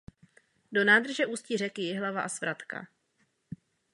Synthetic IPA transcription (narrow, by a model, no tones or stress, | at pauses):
do̞naːd̪r̩ʒɛʔuːscir̝ɛkɪjɪɦlavaʔasvɾat̪ka̰